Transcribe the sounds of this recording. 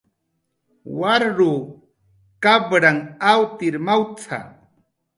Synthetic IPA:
waɾɾu | kabɾaŋawt̪ɪɾmawt͡sʰa̰

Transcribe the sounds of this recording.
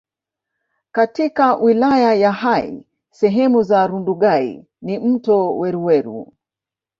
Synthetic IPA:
katikawʔilajajahaḭ | sɛɦɛmuzaɾunduɠaḭ | nim̩tɔwɛɾuwɛɾṵ

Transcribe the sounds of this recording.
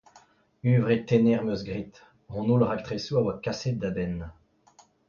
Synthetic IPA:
yːvʁet̪ɛnɛʁmøzɡʁit̪ | ʁɔ̃nulʁakt̪χesuawakaset̪̚d̪abɛn

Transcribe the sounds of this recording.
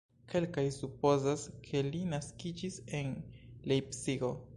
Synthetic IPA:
kʰe̞lkajsupo̞zaskʰe̞linaskid͡ʒise̞nlejpsiɡo

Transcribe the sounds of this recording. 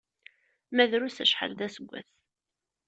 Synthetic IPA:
mæðɾusæʃħa̰lðæsəɡʷːæ̰θ

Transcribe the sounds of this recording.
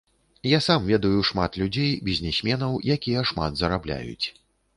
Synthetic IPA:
jasamvʲɛd̪ɐjuʂmat̪lʲud͡zʲejbʲizʲnʲɛsʲmʲɛnɐwjakʲijɐʂma̰d̪zɐɾablʲa̰jṵt͡sʲ

